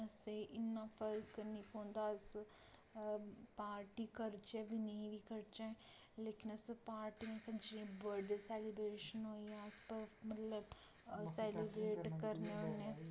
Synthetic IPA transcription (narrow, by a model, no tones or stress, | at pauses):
əseʔɪnːaːpʰəɾknĩːpõːnd̪as | paːɾʈiːkəɾt͡ʃɛʋinəĩʋikəɾt͡ʃɛ̃ | leːkɪnəsepaːɾʈimẽsɐd͡ʒẽbəɖsɛːlibɾeːʃənɦoːiãspəmət̪ləb | sɛːlibɾeːʈkəɾnẽːɦoneː